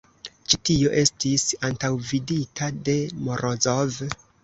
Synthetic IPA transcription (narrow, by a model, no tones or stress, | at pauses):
t͡ʃitio̞ʔe̞stisantawviditʰade̞moɾʔozov